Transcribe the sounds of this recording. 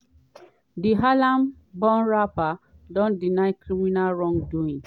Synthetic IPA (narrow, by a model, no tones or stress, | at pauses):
diɦalãm | bɔ̃nɹapadɔ̃ndinaɪkɹiminalɹɔ̃ŋɡduĩŋ